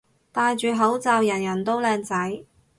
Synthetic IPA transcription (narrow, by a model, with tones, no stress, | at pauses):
t̪aː˨˧jt͡ʃyː˨ɦɐ˨˥wt͡saː˨wjɐ˨˩njɐ˨˩nt̪o˥wlɛː˧ŋt͡sɐ˨˥j